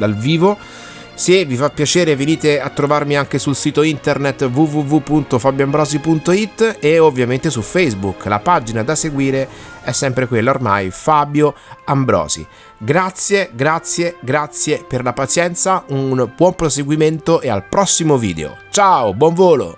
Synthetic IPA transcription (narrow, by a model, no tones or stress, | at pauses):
d̪alviːvo | sevifapːjat͡ʃeːɾeveniːt̪eat̪ːɾovarmiaŋk̟esulsiːt̪oint̪ernet̪ːvuvuvupːunt̪ofabjoambɾɔːzipunt̪oit̪ːeovːjament̪esufɛjzbukla̰pad͡ʒinad̪aseɡwiːɾeɛsːɛmpɾekwelːaorma̰jfabjoambɾɔ̰ːzḭ | ɡɾat̪sːjeɡɾat̪sjeɡɾat̪sjeperlapat̪sjɛnt̪saunb̥wɔmpɾoseɡwiment̪oʔea̰lpɾɔsːimovḭːd̪ḛo̰t͡ʃaobwɔɱvoːlo̰